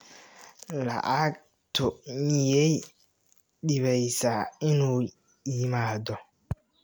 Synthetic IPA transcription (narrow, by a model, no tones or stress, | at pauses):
lɐ̰ʔak̚ | t̪ʰɔnɪjɛj | ɗɪβɛjsaɪnuː | jɪmaːd̪ɔ